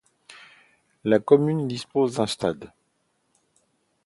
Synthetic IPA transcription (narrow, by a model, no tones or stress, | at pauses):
lakɔmynd̪ispozd̪ɛ̃st̪ad̪